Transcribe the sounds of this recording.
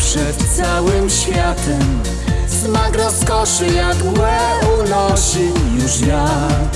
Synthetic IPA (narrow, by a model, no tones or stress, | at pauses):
pʂɛt̪sawɘmɕfʲjat̪ɛm | smaɡɾɔskɔʂɨjaɡwɛnɔʂɪjuʂja